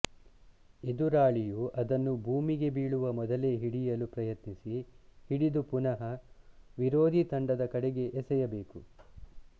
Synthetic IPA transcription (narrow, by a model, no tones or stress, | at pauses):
ed̪uɾaːɭijuʔɐd̪ɐnːubʱuːmiɡe̞biːɭuʋɐmɔd̪ɐleɦiɽijɐlupɾɐjɐt̪nisihiɽid̪upunɐɦɐʋiɾoːd̪ʱit̪ɐɳɖɐd̪ɐkɐɽeɡe̞ʔːsɛjɐbe̞ːku